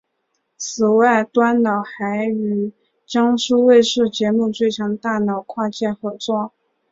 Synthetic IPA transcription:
t͡sʰɹ̩˨˩wa˥˩ɪt̪wa˥nnɑ˨˩ʊxa˧˥ɪy˨˩ | t͡ɕjɑ˥ŋʂu˥we˥˧ɪʂɻ̩˥˩t͡ɕjɛ˧˥mu˥˧t͡swe˥˩ɪt͡ɕʰjɑ˧˥ŋt̪a˥˩nɑ˨˩ʊkʰwa˥˧t͡ɕjɛ˥˩nxɤ˧˥t͡swɔ˥˩

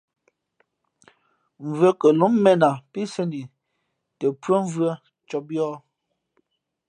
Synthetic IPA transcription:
ɱ̩˨vɰə˦kə˨lu˨˦mːɛ˦na˨pi˦se˦ni˨ | tə˨pwə˦ɱ˦vɰə˦ | t͡ʃɔ˦bjɔː˦

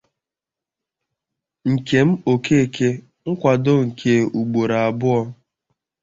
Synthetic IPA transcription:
ŋ̩˨ke˨m̩˦o˨kʰe˦˨kʰe˦ | ŋ̩˦kʷa˨dʊ˦ŋ̩˨kʰe˨u˨ɡ͡bo˨ɾa˨a˨bʊ˦ɔ˦

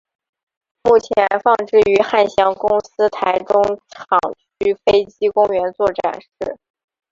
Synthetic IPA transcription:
mu˥˩t͡ɕʰjɛ˧˥nfɑ˥˧ŋʈ͡ʂɻ̩˥˩y˧˥xa˥˩nɕjɑ˥˩ŋkʊ˥ŋsɹ̩˥t̪ʰa˧˥ɪʈ͡ʂʊ˥ŋʈ͡ʂʰɑ˨˩ŋt͡ɕʰy˥fe˥ɪt͡ɕi˥kʊ˥ŋɥɛ˧˥nt͡swɔ˥˩ʈ͡ʂa̰˨˩nʂɻ̩˥˩

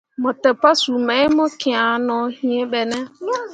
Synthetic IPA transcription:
mɔ˨tɛ˨pa˦su˨me˨˦ɪ˦mɔ˦ki˨a˨nɔ˨˦hi˦e˦ɓe˨nɛ˦

